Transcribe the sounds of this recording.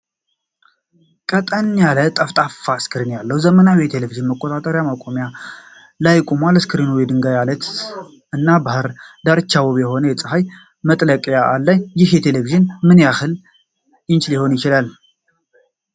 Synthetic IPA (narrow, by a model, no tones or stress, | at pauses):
kʼət̪ʼənːalət̪ʼəft̪ʼafːaskʰɨɾinjalːəwzəmənawjɛt̪ʰe̞leviʒɨnməkʼːot̪ʼat̪ʼəɾjamakʼomja | lajkʷʼumʷalɨskʰɨɾinujɛd̪ɨŋɡajalət̪ | ɨnːabahɨɾd̪aɾɨt͡ʃːawoβjɛho̞nəjɛt͡sʼɨhaj | mət̪ʼləkʼjaʔalːəɲjɪhjɛt̪ʰe̞leviʒɨnmɨnjahɨl | jɪnt͡ʃliho̞njɪt͡ʃɪlal